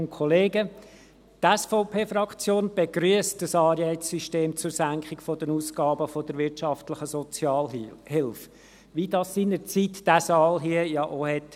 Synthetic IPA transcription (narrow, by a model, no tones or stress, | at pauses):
nkʰχɔleːɡə | tɛsfoʊpʰeːfɾɑkt͡sjoːnb̥eɡɾyəs̚d̥əsɑːɾjɛɪsyʃteːmt͡sʊɾsæŋkχɪkfɔdənuːsɡ̥ɑːbəfɔd̥əɾʋɪɾtʃɑftlɪχəsɔt͡sjɑːlhɪlf | ʋidɑsːiːnəɾt͡sitd̥æsɑːlɦiəjɑʔohɛt